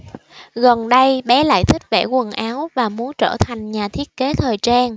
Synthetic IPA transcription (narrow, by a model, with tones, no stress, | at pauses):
ɣə˨˩nɗə˧jɓɛ˨˦la̰ː˧˨jt̪ʰï˦˥k̚vɛ̰˧˩kwə˨˩nʔaː˨˦wvaː˨˩mu˨˦ənt͡ɕəː˧˩t̪ʰa˨˩jŋ̟ɲaː˨˩t̪ʰi˦˥ət̚ke˨˦t̪ʰəː˨˩jt͡ɕaː˧n